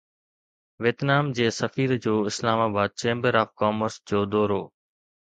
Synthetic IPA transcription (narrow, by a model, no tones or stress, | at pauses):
ʋɪt̪naːmd͡ʑeːsəfiːɾd͡ʑoːɪslaːmaːbaːd̪̚t͡ɕẽːmbəɾaːfkaːməɾsd͡ʑoːd̪ɔːɾoː